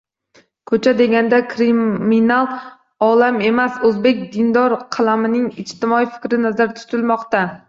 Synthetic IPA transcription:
kʰɵt͡ʃʰad̪e̞ɡʲand̪akʰɾiminalˠ | ɒlame̞masɵzbe̞kʲd̪ɪnd̪ɒɾqʰɑlˠamɪnɪŋɪt͡ʃt̪ʰɪmɒijfɪ̥kʲɾɪnazaɾt̪ʰʊ̥t̪ɪlmɒqt̪a

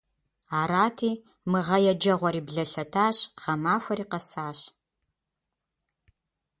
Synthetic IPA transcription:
aːɾaːtʰiː | mɨʁɐjɛd͡ʒɐʁʷɔɾiːbɮɐɬɐtʰaːɕʁ̥ɐmaːfʷɐɾiːqɐsaːɕ

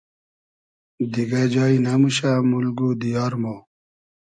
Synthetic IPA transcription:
d̪iɡad͡ʑaːinamuɕamulɡud̪ijɑːɾmo

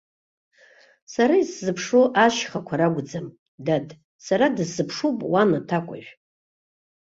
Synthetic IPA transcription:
saɾaiszɨpʰʂoʔaʃχakʷʰaɾaɡʷd͡zam | dadʼ | saɾadɨsːɨpʰʂupʼwanatʰakʷʼa̰ʒᶣʷ

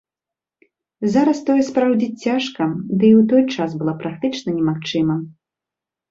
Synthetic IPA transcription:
zaɾɐst̪ɔjɛspɾawd͡zʲit͡sʲt͡sʲːaʂkɐd̪ɨiwt̪ɔjt͡ʂasbɨlˠapɾak̚t̪ɨt͡ʂnɐnʲɛmaxt͡ʂɨmɐ

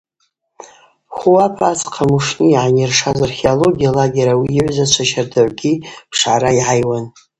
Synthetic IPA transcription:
χʷuwapʰat͡sʰʼqʰamuʂniːʕanirʂazarχeolo̞ɡʲijalaɡʲeɾawiːʕʷzat͡ʃʷʰaʃardʰaʕʷɡʲipʰʂʕaɾaiʕajwan

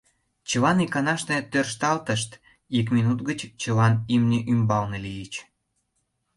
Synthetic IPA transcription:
t͡ɕəlɑnikɑnɑʃnet̪ørʃt̪ɑlt̪əʃt̪ | ikminut̪ɡət͡ɕt͡ɕəlɑnimnʲeʔymbɑlnelijət͡ɕ

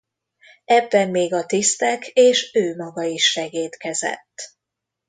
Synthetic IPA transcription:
ɛbːɛmmeːɡɒt̪ist̪ɛkʰeːʃøːmɒɡɒiʃːɛɡeːt̪kɛzɛ̰t̪ː

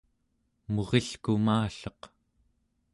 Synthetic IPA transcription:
mo̞ʁeɬkumaːɬʌq

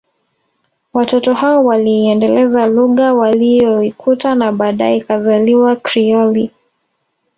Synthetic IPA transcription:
watɔtɔhaɔwaliɛndɛlɛzaluɣawalijɔikʰutanaɓaːɗajɛkazaliwakɾiɔli

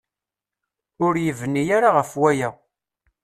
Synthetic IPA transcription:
ʊɾjəvənːijaɾaʁəfwæjæ

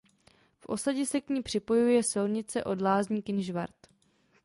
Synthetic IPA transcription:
fʔo̞̰saɟɛsɛkɲiːpr̥ɪpo̞jujɛsɪlɲɪt͡sɛʔo̞dlaːzɲiːkɪnʒvaɾt̪

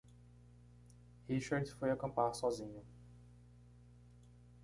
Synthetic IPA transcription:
hiʃaɾd͡ʒfojakɐ̃mpaɾsɔzĩɲʊ

